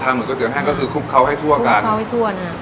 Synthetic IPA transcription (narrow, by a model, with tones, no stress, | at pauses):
t̪ʰaː˧ŋɾɯ˨˩kɔ˥˩i˧˩əɦɛː˥˩kɔː˥˩kʰɯː˧kʰu˦˥˩kʰːa˦˩wɦa˥˩jt̪ʰu˥˩ʔa˧kaː˥˧˩tʰa˦wha˥˩jt̪ʰu˥˩ɐəna˦˥˩